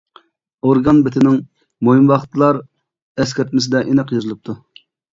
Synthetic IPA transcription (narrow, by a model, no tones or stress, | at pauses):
oɾɡɑnbɪt̪ʰɪnɪŋ | mojimwɑχt̪ʰlˠɑɾ | ɛs̬kʲæɾt̪̚mɪsɪd̪ɛʔenɨqjozɨlˠɨp̚t̪ʰu